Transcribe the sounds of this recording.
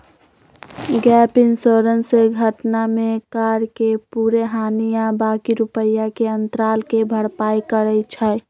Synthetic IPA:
ɡɛpɪŋsoɾənseɡʱəʈnamekaɾkepuɾeɦanijabakiɾupəjakeənt̪ɾaːlkebʱəɽpaikəɾəjt͡ʃʰə

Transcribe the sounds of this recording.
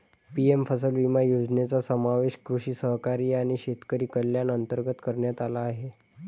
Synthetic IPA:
piemfəsəlʋimajod͡zɳet͡sasəmaʋeɕkɾuɕiːsəɦkaɾiːaɽ̃iɕet̪kəɾiːkəljanənt̪əɾɡət̪kəɾɳjat̪alaːɦe

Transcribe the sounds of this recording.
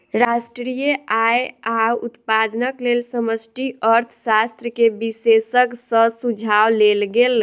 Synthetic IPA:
ɾasʈɾijəajaut̪pad̪nəklelsəməsʈiəɾt̪ʰəsast̪ɾəkebisesəksə̃sud͡ʒʱawlelɡel

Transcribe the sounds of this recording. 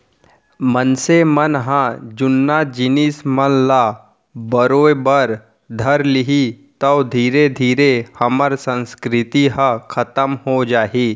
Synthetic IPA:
mənsemənɦãd͡ʒʊnːaːd͡ʒɪniːsmənlaː | bəɾoːjbəɾ | d̪ʱɐɾlɪɦit̪ɐd̪ʱiːɾed̪ʱiːɾehɐməɾsə̃nskɾɪt̪iɦãkʰɐt̪əmɦod͡ʒaːɦiː

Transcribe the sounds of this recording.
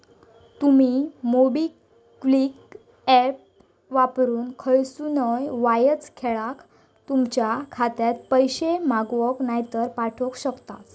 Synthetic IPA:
t̪umimobi | klik | ɛp̚ | ʋapɾuːnkʰəɭsunəjʋajət͡skʰeɭak | t̪umt͡ɕjakʰat̪jat̪̚pəjɕemaɡʋəknajt̪əɾpaʈʰɔkɕəkt̪a

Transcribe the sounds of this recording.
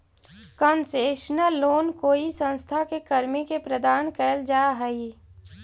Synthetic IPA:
kənseːʃnəlːoːnkoːisə̃nst̪ʰakekɐɾmikepɾəd̪aːnkɛld͡ʒaːɦəi

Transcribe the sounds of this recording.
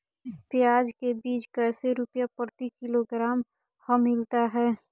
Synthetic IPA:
pɪjaːd͡ʒkebiːt͡ʃkəseɾʊpjapəɾt̪ikɪloɡɾaːm | həmɪlt̪aɦɛː

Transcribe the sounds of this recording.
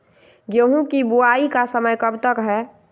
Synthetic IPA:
ɡoɦũkibuaikasəməjkəbt̪əkɦɛ

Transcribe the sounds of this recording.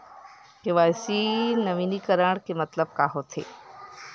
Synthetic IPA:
keʋajsinəʋinikəɾaɽ̃kemət̪ləb̚kaːɦot̪ʰḛ

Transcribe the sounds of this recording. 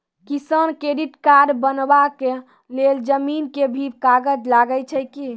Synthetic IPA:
kisənkɾeɖiʈkaɖbənbake | leld͡ʒəminkebʱikaɡəd͡ʒlaɡət͡ʃʰəjki

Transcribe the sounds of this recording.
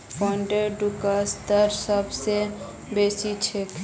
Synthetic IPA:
pɔ̃ɳɖeɖukast̪əɾsəbse | beːsit͡ʃʰek

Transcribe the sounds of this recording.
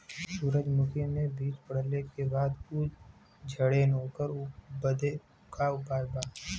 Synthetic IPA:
suːɾəd͡ʒmʊkʰimẽbiːt͡ʃpəɽ̤lekebaːd̪ʊ | d͡ʒʱəɽenoːkəɾbəd̪e | kaʊpaːjbaː

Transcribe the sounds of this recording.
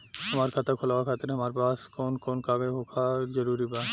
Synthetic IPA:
həmaɾkʰat̪ʰakʰolawakʰat̪enɦɐmaɾpaskonkonkaɡeɦokʰad͡ʑəɾuɾiba

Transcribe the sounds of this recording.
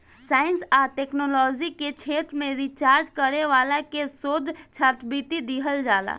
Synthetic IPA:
saːinsaʈeknolɔd͡ʒiket͡ʃʰet̪ɾmẽɾit͡ʃaɾd͡ʒkəɾeʋalakesod̪ʱt͡ʃʰəɾt̪ʰbit̪id̪iɦəld͡ʒaːla̰

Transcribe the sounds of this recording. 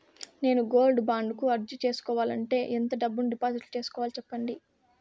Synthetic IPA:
ne̞ːnuɡo̞ːlɖbaːɳɖukuɐɾd͡ʒit͡ʃe̞ːsu̥kɔːʋaːlɐɳʈe̞ːʔent̪ɐɖɐbːunɖipaːziʈlut͡ʃe̞ːsu̥kɔːʋaːlit͡ʃɛpːɐɳɖi

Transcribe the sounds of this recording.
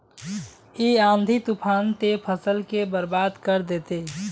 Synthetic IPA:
iãːnd̪ʱit̪upʰaːnt̪epʰəsəlkebəɾbaːd̪kəɾd̪eːt̪e

